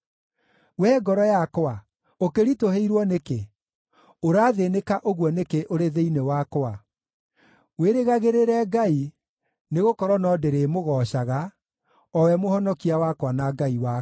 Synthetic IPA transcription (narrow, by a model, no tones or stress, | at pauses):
wɛːɡɔɾɔjakoa | okeɾitoɦeiɾwɔneke | oɾaːðenekaʔoɣwɔnekeʔoɾeðeinewakoa | weɾeɣaɣeɾeɾɛɡai | neɣokɔɾɔnɔdeɾeːmoɣɔɕaɣa | ɔwɛmohɔnɔkiawakwanaɡaiwa